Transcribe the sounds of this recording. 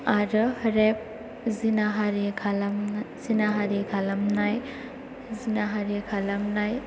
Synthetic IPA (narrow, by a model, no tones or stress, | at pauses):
aɾɯhɾep̚ | zinaɦaɾikʰalamzinaɦaɾiɡʰalamnaj | zinaɦaɾikʰalamnaj